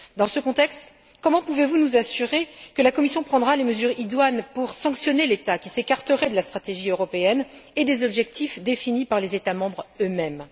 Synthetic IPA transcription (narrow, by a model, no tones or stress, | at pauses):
d̪ɑ̃səkɔ̃t̪ɛkst̪ | kɔmɑ̃puvevunuzasyʁekəlakɔmisjɔ̃pχɑ̃d̪ʁaleməzyʁid̪wanpuʁsɑ̃ksjɔnelet̪akʲisekaʁt̪əʁɛd̪əlast̪χat̪eʒiøʁɔpeɛned̪ezɔbʒɛk̚t̪ʰifd̪efinipaʁlezet̪amɑ̃bʁømɛm